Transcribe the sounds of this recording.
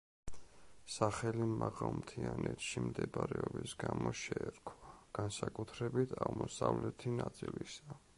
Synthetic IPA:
saχɛlimaʁalmt̪ʰianɛt̪ʃimd̪ɛbɾɛɔbisɡamɔʃɛɛɾkʰwaɡ̥ansakʼut̪ʰɾɛbit̪ʰaʁmɔsavlɛt̪ʰinat̪sʼilisa

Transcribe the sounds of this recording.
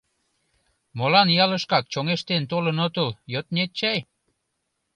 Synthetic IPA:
molɑnjɑləʃkɑk̚t͡ɕoŋeʃt̪ent̪olənot̪əljot̪nʲet̪̚t͡ɕæj

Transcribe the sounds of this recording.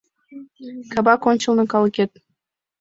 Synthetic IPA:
kɑbɑkonʲt͡ɕɤ̆lˠnɤ̆kɑlˠket̪̚

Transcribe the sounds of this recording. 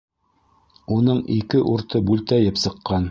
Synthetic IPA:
unɤɴikɘʔuɾt̪ɤbʉlt̪æjɘpsɤ̆qːɑn

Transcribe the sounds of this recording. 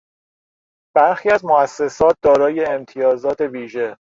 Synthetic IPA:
b̥æɾxiːæzmoæsːe̞sɒːt̪̚d̪ɒːɾɒːje̞ːmt̪ʰijɒːzɒːt̪ʰe̞viːʒe̞

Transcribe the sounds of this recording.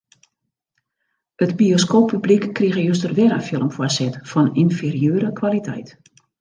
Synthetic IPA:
ətbioskoːpʰːyblikːriɣəjøs̬tərʋɛɾafjɪlˠəmfwɔsɛtfɔninferijøːɾəkʋalitʰɛ̰jt

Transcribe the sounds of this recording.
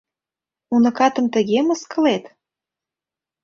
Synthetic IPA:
munɤ̆kɑt̪ə̆mt̪ə̆ɣemə̆skɤ̆let̪

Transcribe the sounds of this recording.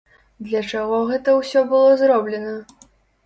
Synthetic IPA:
d̪lʲɐt͡ʂaɣɔɣɛt̪ɐwsʲɔbɨlˠɔzɾɔblʲɛnɐ

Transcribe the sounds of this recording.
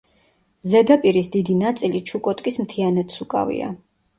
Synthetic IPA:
zɛd̪apʼiɾisd̪id̪inat̪sʼilit͡ʃʰukʼɔt̪ʼkʼismt̪ʰianɛt̪sukʼa̰vḭa̰

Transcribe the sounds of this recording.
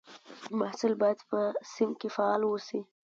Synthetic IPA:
mahsɪlbɑjad̪pəsɪmkefaɑlwosi

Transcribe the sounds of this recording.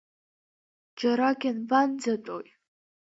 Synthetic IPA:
d͡ʒaɾaɡʲanband͡zatʷʼo̰j

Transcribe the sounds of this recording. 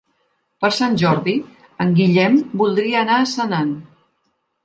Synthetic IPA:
pəɾsanʲʒɔɾði | əŋɡiʎɛmbulˠd̪ɾiəːnaːsənan

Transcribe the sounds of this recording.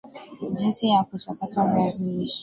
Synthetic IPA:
d͡ʒinsijakutapatamaziiʃi̥

